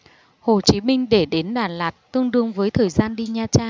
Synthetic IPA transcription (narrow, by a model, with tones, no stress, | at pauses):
ho˨˩t͡ɕi˨˦mï˧ŋ̟ɗe˧˩ɗe˨˦nɗaː˨˩nlaː˨˩t̚t̪ɨ˧əŋɗɨ˧əŋvəː˨˦jt̪ʰəː˨˩jzaː˧nɗi˧ɲaː˧t͡ɕaː˧